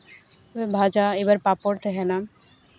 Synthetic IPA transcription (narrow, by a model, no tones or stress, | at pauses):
bʱad͡ʑaebaɾpapoɾt̪eɦɛna